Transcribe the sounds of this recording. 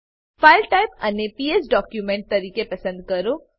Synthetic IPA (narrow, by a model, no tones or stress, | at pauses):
faːɪlʈaːɪpɐnepiːesɖɔːkjumɛ̃ɳʈ̚t̪ɐɾiːkepɐsə̃nd̪̚kɐɾo